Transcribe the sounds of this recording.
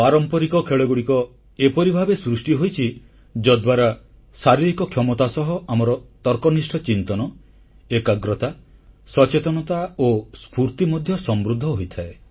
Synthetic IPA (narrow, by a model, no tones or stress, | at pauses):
paɾɔmpɔɾikɔkʰeɭɔɡuɽikɔ | epɔɾibʱabesɾusʈiɦojt͡ʃʰi | d͡ʒɔd̪waɾa | saɾiɾikɔkʰjɔmɔt̪asɔɦɔʔamɔɾɔt̪ɔɾkɔnisʈʰɔt͡ʃint̪ɔnɔ | ekaɡɾɔt̪asɔt͡ʃet̪ɔnɔt̪aospuɾt̪imɔd̪ʱjɔsɔmbɾud̪ʱːɔɦojt̪ʰae